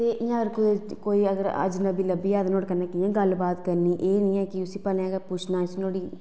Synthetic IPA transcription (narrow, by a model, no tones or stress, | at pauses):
t̪eːʔɪjãːəɾkʊkoːiːəɡəɾə̰d͡ʒnəbiːləbiːɛːd̪noːɽkənãːkɪjãːɡəlbaːt̪kəɾniːʔeːnĩːɛːkɪʊsĩːpəlːɡəpʊt͡ʃʰnãːt͡ʃnoːɽiː